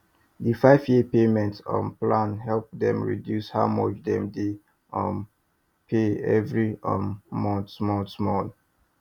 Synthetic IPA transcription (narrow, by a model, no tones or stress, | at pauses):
difaɪvjipemɛ̃ntsɔ̰̃nplãnɦɛlp̚dɛ̃mɹḭdjushaʊmɔt͡ʃdɛ̃mde | ɔ̃n | pʰeɛ̰vɹiɔ̃nmɔ̃nmɔ̃nsmɔl